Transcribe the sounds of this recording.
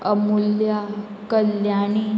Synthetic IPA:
əmulja | kəljani

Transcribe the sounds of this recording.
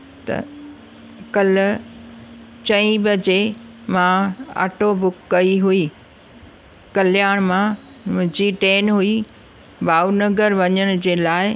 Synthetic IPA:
t̪ɐ̰ | kɐl | t͡ɕɐ̃ĩbɐd͡ʑemãa̰ːʈobʊkːɐiɦuiː | kɐlɪjaːɽ̃mã | mʊ̃ɦd͡ʑiʈeːnɦʊi | baːunɐɡəɾʋɐɲəɽ̃ʊ̆d͡ʑeːlaːɪ

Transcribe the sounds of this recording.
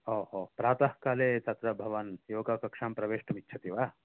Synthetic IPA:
oːɦoːpɾaːt̪ɐhkaːleːt͡ʃ̪ɐt̪ɾɐbʱɐʋɐnjoːɡakɐkʂaːmpɾɐʋeːʂʈɐmitːt͡ʃʰɐt̪iʋaː

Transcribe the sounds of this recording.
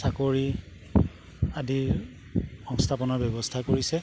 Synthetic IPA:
sakoɹi | adi | xɔ̃ŋstʰapɔnɔɹbɔbɔstʰakoɹisɛ

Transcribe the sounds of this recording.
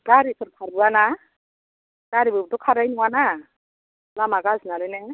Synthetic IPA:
kaɾikʰɯɾkʰaɾbuana | kaɾibɯbtɔkʰaɾajnuwana | lamaɡaznalenɛ

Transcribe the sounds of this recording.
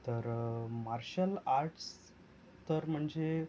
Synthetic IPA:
t̪əɾmaɾɕəlaɾʈʰs | t̪əɾm̤əɳd͡ze

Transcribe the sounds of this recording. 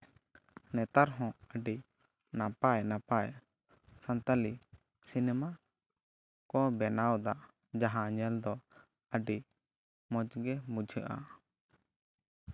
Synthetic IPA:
nɛt̪aɾɦɔ̃əɖi | napajnapaj | sant̪ali | sinɛma | kɔbɛnawd̪aʔ | d͡ʒaɦãɲɛld̪ɔ | əɖi | mɔ̃d͡ʒɡɛmud͡ʒʱəʔa̰

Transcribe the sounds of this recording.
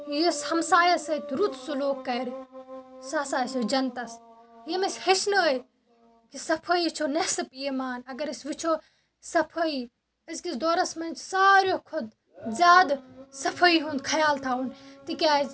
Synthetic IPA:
jishɐmsaːjɐsɐjt̪ɾut̪suloːkːɐɾʲ | saːsaːjsod͡ʒɐnt̪ɐsjemesʲhet͡ʃʰnɐəj | kisɐpʰəjt͡ʃʰonesɨpiːmaːnɐɡɐɾɐsʋit͡ʃʰo | sɐpʰəi | ɐskisd̪oːɾɐsmɐnt͡ʃʰsaːɾjokʰod̪ | zʲaːd̪sɐpʰəiɦund̪kʰɐjaːlt̪ʰaːunt̪ikʲaːz

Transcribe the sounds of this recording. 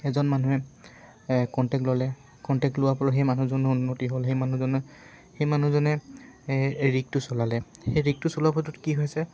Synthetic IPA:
ɛzɔnmanuɛ | kɔntɛk̚tlɔlɛ | kɔntɛk̚tlʊwapɔlɔxejmanuzɔnʊunːotiɦolxejmanuzɔnɔxejmanuzɔnɛ | ɹik̚tʊsɔlalɛxejɹik̚tʊsɔlapʰɔtʊtkiɦojsɛ

